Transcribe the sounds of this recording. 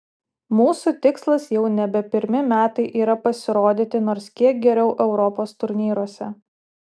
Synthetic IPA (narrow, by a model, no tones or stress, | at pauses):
muːsut̪ʲɪkslˠɐsjɛʊnʲɛbʲɛpʲɪɾʲmʲɪmʲæːt̪ɐɪʔiːɾɐpɐsʲɪɾoːd̪ʲɪt̪ʲɪnoːɾskʲiɛk̚ɡʲɛɾʲɛʊʔɛʊɾɔpoːst̪ʊɾʲnʲiːɾuɔsʲɛ